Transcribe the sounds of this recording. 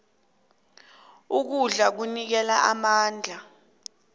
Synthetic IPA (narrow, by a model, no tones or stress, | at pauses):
uk̬uɮak̬unik̬ɛlaʔamaːnd͡ɮʱa